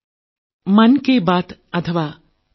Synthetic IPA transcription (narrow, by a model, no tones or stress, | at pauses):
mɐnkebaːt̪ɐt̪ʰəʋaː